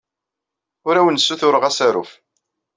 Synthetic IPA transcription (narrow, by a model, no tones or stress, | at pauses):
ʊɾæwənsːuθʊɾəʁæsæɾṵf